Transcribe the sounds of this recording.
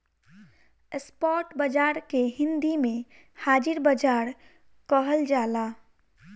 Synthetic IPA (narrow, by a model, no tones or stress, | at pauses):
espɔːʈbəd͡ʒaːɾkeɦɪ̃nd̪imẽ | haːd͡ʒɪɾbəd͡ʒaːɾ | kəɦəld͡ʒaːlaː